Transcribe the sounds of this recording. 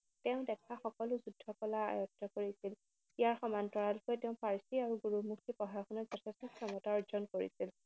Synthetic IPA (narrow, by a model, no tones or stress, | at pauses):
tɛʊ̃dɛkʰaxɔkɔlʊzudʱːɔkɔlaa̰jɔtːɔkoɹisil | ijaɹxɔmantɔɹalkojtɛʊ̃pʰaɹsiaɹuɡuɹumuktipɔɦaxʰɔnɔz̥ɔtʰɛstɔkʰɹɔmɔtaɔɹzɔnkoɹḭsil